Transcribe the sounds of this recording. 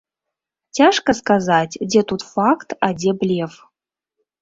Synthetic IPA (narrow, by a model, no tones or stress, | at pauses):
t͡sʲaʂkɐskazat͡sʲd͡zʲɛt̪ut̪fakt̪ad͡zʲɛblʲef